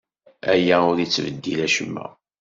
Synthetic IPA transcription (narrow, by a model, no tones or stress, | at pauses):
æjæʊɾit͡sːvəd̪ːilæʃəmːæ̰